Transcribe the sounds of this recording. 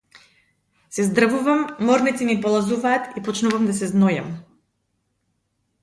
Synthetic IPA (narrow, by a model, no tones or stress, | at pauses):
sɛzd̪ɾvuvamːɔɾnit̪inipɔlˠazuvaːt̪ipɔt͡ʃnuvamd̪asɛznɔjam